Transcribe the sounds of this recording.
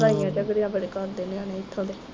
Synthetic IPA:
ɾaːijãːt͡ʃəɡɾijãːbəɽeːkəɾd̪eːneanẽːɪt̪ʰːõːd̪eː

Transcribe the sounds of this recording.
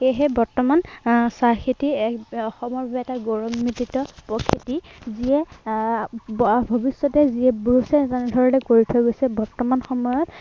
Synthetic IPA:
xejɦɛbɔɹtɔmansaxitiɔxɔmɔɹbabɛɛtaɡɔɹɔmːititɔpɔkʰitiziɛ | bʱɔbisːɔtɛziɛbuusɛtanɛdʱɔɹɔlɛkoɹitʰɔɡojsɛbɔɹtɔmanxɔmɔjɔt

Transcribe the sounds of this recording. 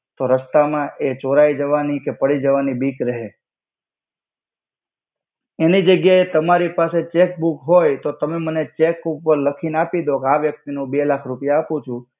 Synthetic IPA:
t̪oɾəst̪amãʔet͡ʃoɾaid͡ʒəʋanikepəɽid͡ʒəʋanibikɾəɦe | enid͡ʒəɡjaet̪əmaɾipaset͡ʃek̚bukɦojt̪ot̪əmemənet͡ʃekupːəɾləkʰinapid̪okeaʋjək̚t̪inũbelakʰɾupjaːpũt͡ʃʰũ

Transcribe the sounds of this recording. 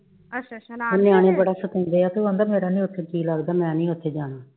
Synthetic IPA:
ɦoːnɪjaːɽ̃ẽːbəɽaːsət̪ə̃ːnd̪eːaːt̪oːãːnd̪aːmeːɾaːnĩːʊt̪ʰːeːkiːlaɡd̪aːmɛ̃ːnĩːʊt̪ʰːeːd͡ʒaːnaː

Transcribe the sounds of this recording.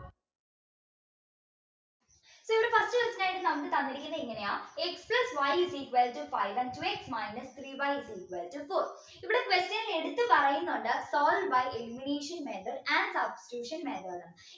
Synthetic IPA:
soːiʋiɽefɐstɨkwestɐnaːjiʈːɨnɐmːɐkːɨt̪ɐnːiɾikʲːunːɐiŋːɐne̞jaːeksplɐsʋɐjsiːkʋeltufɐjʋɐ̃ɳɖ̚tueksmɐjnɐst̪ʰriːbɐjsikʋeltufoːɾ | iʋiɽekʋestɐnile̞ɽut̪ːɨpɐrɐjunːuɳɖɨsoːlɖbɐjeluːmineːʂɐnmeːɳɖɐræɳɖsɐbsi̥tuːʂɐnmeɳɖɐɾɐɳː

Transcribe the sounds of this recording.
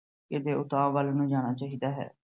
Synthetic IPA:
ked̪eːʊt̪aːʋəlnũːd͡ʒaːɽ̃aːt͡ʃaːɦiːd̪aːɦɛ̰ː

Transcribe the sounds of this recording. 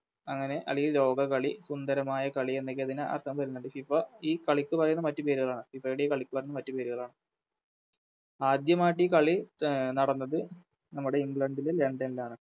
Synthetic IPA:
ɐŋːɐne̞ʔɐ̰liɐlo̞ːɡɐkɐɭisund̪ɐɾɐmaːjɐkɐɭie̞nːek̬ːeɐðinaɐ̰rt̪ʰːɐmpɐɾɐjunːuɳɖɨfiifɐiːkɐɭikʲːɨpɐrɐjunːɐmɐtːɨpe̞ːɾuɣɐɭaːɳɨipːɐɽikɐɭikʲːɨpɐrɐjunːɐmɐtːupeːɾuɣɐɭaːɳɨ | aːd̪jɐmaːʈ̬ːikɐɭinɐɽɐnːɐðɨ | nɐmːuɽe̞iŋɡɭɐɳɖileleɳɖenilaːɳɨ

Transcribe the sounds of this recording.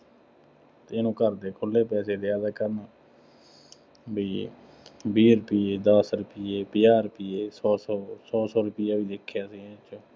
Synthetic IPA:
t̪eɪnũːkəɾd̪eːkʰʊlːeːpɛːseːd̪eːaːd̪aːkəɾnaː | biː | biːɾʊpiːeːd̪əsɾʊpieːpɪjaːɾʊpiːeːsɔːsɔːsɔːsɔːɾʊpɪjaːʋiːd̪ekʰːjaːsĩːt͡ʃõː

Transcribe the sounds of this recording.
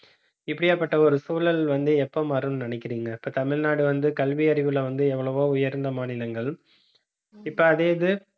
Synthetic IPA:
ɪpːɐɽɪjaːpːɐʈːɐɔɾɯsuːlɐlʋɐnd̪ɯɛpːoːmaːɾɯmnɪnɛɪkːɪɾiːŋɡɐɪpːoːt̪ɐmɪɭnaːɽɯʋɐnd̪ɯkɐlʋɪɐɾɪʋɯlɐʋɐnd̪ɯɛʋːɐɭɐʋoːʊjɐɾnd̪ɐmaːnɪlɐŋɡɐɭ | ɪpːoːɐðeːɐðɯ

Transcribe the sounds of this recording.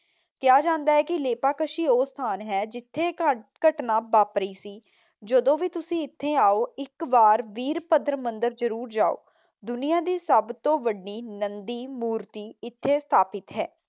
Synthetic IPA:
kɪjaːd͡ʒãːnd̪aːɦɛːkɪleːpaːkəʃiːoːst̪ʰaːnɦɛːd͡ʒɪt̪ʰːeːkəʈnãːbaːpɾəiːsiː | d͡ʒəd̪õːʋiːt̪ʊsĩːɪt̪ʰːeːaːoːɪkʋaːɾʋiːɾpəd̪ɾmənd̪əɾzəɾuːɾd͡ʒaːo̰ː | d̪ʊnijãːd̪iːsəbt̪õːʋəɖiːnənd̪iːmuːɾt̪iːɪt̪ʰːeːst̪ʰaːpɪt̪ɦɛː

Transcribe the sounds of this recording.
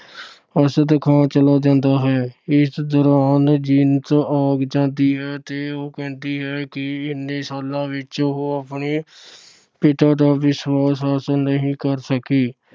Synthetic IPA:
əsd̪kʰãːt͡ʃəlaːd͡ʒãːnd̪aːɦɛːɪsd̪ʊɾaːnd͡ʒiːnt̪aːɡd͡ʒãːnd̪iːɦɛːt̪eːoːkɛ̃ːnd̪iːɦɛːkɪɪnːeːsaːlãːʋɪt͡ʃɦoːaːpɳiː | pɪʈ̪aːd̪aːʋɪswaːsəsnəɦĩːkəɾsəkiː

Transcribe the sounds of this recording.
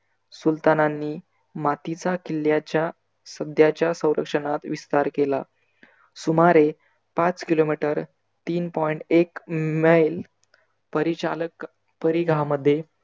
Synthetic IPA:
sult̪ananːiː | mat̪it͡sakilːjat͡ɕa | səd̪ʱjat͡ɕjasə̃w̃ɾʔə̰kʂəɳat̪ʋist̪aɾkela̰ | sumaɾe | pat͡skilomiʈəɾ | t̪iːnpɔjɳʈekməjl | pəɾia | pəɾiɡʱaməd̪ʱːje

